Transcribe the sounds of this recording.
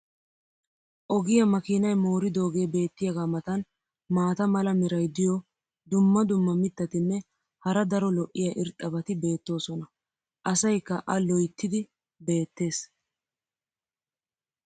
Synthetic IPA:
ʔɔɡɪjɐmɐkiːnɐjmo̞ːɾɪd̪o̞ːɡe̞ːbe̞ːt̪ːɪjɐɡaːmɐt̪ɐn | maːt̪ɐmɐlɐmɪɾɐjd̪ɪjɔ | d̪ʊmːɐd̪ʊmːɐmɪt̪ːɐt̪ɪnːɛ | hɐɾɐd̪ɐɾɔlɔʔːɪjɐʔɪɾt̪ʼːɐbɐt̪ɪbe̞ːt̪ːo̞ːsɔnɐ | ʔɐsɐjkːɐʔɐlɔjt̪ːɪd̪ɪ | be̞ːt̪ːe̞ːs

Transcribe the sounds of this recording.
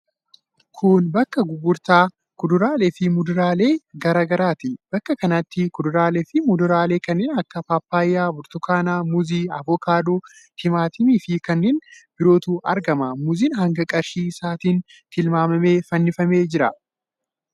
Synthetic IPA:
kʰʊnbɐkːɐɡʊɡʊɾt̪aː | kʊd̪ʊɾaːlɛfɪmʊd̪ʊɾaːle̞ːɡɐɾaːɡɐɾaːt̪ɪb̥ɐkːɐkɐnɐt̪ːɪkʊd̪ʊɾaːlɛfɪmʊd̪ʊɾaːle̞ːkɐnːɛːnɐkːɐpapːaːjːaːbʊɾt̪ʊkaːnaːmʊziːɐʋɔkaːd̪uː | h̪ɪmaːt̪ɪmiːfɪkɐnːɛnbɪɾo̞ːt̪uːʔɐ̰ɾɡɐmɐmʊziːnhɐŋɡɐkʼɐɾʃiːsaːt̪iːn | t̪ɪlmaːmɐme̞ːfɐnːɪfɐme̞ːd͡ʒɪɾɐ

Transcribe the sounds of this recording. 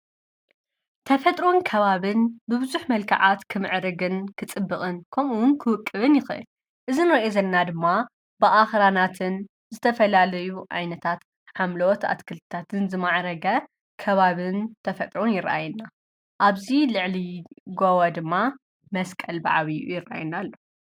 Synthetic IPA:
t̪ʰɐfɐt̪ʼɾo̞nkʰɐβaβɨnbɨbɨzuħmɐlkʰɐ̰ʕat̪kʰɨmɨʕɾɨɡɨnkʰɨt͡sʼɨbːɨχʼɨnkʰɐmuwnkʰɨwɨkʼːɨβɨnjɪxɨ̰ʔɨ̰l | ʔɨzinɨɾɐʔezɐlɐnad̪ɨmːa | bɨʔaxɾanat̪ʰɨn | zɨt̪ʰɐfɐlalɐjuʕa̰jnɐt̪ʰat̪ | ħamlowɔt̪a̰t̪kʰɨlt̪ʰɨt̪ʰat̪ʰɨnzɨmaʕɾɐɡɐ | kʰɐβaβɨnt̪ʰɐfɐt̪ʼɾonjɪɾʔa̰jnːa | ʔaβzilɨʕliɡowɐd̪ɨmːa | mɐskʼɐlba̰ʕβiṵjɪrʔa̰jɛnalːo

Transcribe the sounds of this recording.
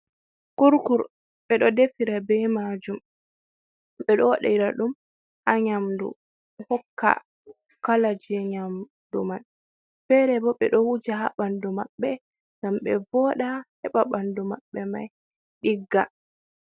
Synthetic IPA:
kuɾkuɾ | ɓɛɗɔdefiɾabɛmad͡ʒum | ɓɛɗɔɗa̰iɾaɗum | ʔaɲamdṵ | hɔkːa̰ | kalad͡ʒɛɲam | duman | fɛɾɛbɔɓɛ̰ɗɔwud͡ʒaha̰ɓandumaɓːɛ | ŋɡamɓɛvɔːɗahɛɓaɓandumaɓːɛma̰j | ɗiɡːa̰

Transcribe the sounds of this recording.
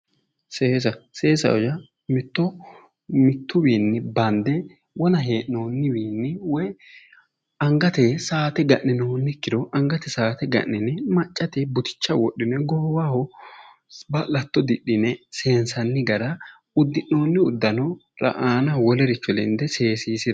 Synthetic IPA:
seːs̬ɐseːsɐ̰wɔjɐ | mɪt̪ːɔ | mɪt̪ːʊbiːnːɪbɐnd̪ɛ | wɔnɐɦeːʔːo̞ːnːɪbiːnːɪwɔj | ɐŋɡɐt̪esaːt̪ɛɡɐʔːɪnoːnːɪkːɪd̪ɔʔɐŋɡɐt̪ɛsaːt̪ɛɡɐ̰ʔːɪnɪmɐt͡ʃʼːɐt̪ɛbʊt̪ɪ̥t͡ʃːɐwɔɗːɪnɛɡɔhwahɔ | bɐlɐt̪ːɔd̪ɪɗɪnɛse̞ːnsɐnːɪɡɐɾɐ | ʊd̪ːɪʔːo̞ːnːɪʊd̪ːɐnɔ | ɾɐ̰ʔaːnɐwɔlɛɾɪt͡ʃːɔlɛ̰nd̪ɛse̞ːsiːsɪd̪ɐ

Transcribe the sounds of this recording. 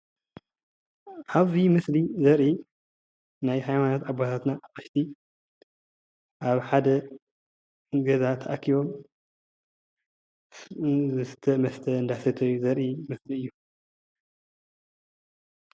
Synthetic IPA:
ʔaβzimɨslizɐɾʔi | najhajmanat̪ʕabat̪ʰat̪naʔɨʃt̪ʰi | ʔaβħad̪ɐ | ɨɡɐzat̪ʰɐʔakʰːiβo̞m | ɨt̪ʰɐmɐst̪ʰɐɨnd̪aħsɐt̪ʰɐjːuzɐɾʔimɨsliɨjːu

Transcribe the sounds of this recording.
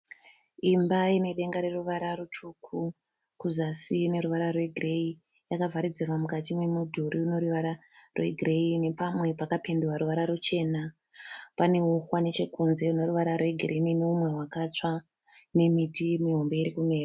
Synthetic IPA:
imbaine̞ɗe̞ŋɡaɾe̞ruʋaɾarutʰukʰu | kuzasine̞ɾuʋaɾarwe̞ɡʱire̞i | jakavaɾid͡zirwamukatimwe̞mudʱuɾiuno̞ɾuʋaɾarwe̞̰ɡʱire̞ine̞pamwe̞pakape̞nduwaɾuʋaɾaɾut͡ʃe̞ːna | pane̞uxwane̞t͡ʃe̞kunze̞uno̞ɾuʋaɾarwe̞ɡʱirinineumwe̞ɦwakat͡ʂa | ne̞mitimiɦombe̞iɾikumeːra

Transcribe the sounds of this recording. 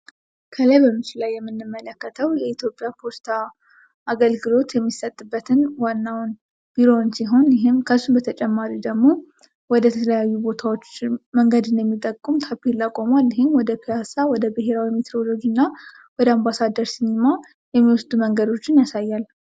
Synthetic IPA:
kʰələjbəmɨt͡ʃɪlajːɛmːɨnːɨmːələkːət̪ʰəwjɛit̪ʰjo̞pʼjapʰo̞st̪ʰa | ʔaɡəlɡɨlo̞t̪jɛmːisət̪ʼːɨbːət̪ʰɨnwanːawn | b̥iɾo̞nsiɦo̞njɪɦɪmkʰəsːubət̪ʰət͡ʃʼɛmːaɾid̪əɡmo̞ | wɔd̪ət̪ʰəələjajːubo̞t̪ʰawo̞t͡ʃːməŋɡəd̪ɨnjɛmːit̪ʼəkʼːumt̪ʰapːilːakʼːomalɪɦɪnwɔd̪əpʰiasawɔd̪əbɨɦe̞ɾawimit̪ɾo̞lod͡ʒɨnːa | wɔd̪əambasad̪əɾsinima | jɛmːiwɔsd̪uməŋɡəd̪o̞t͡ʃːɪnjasajːal

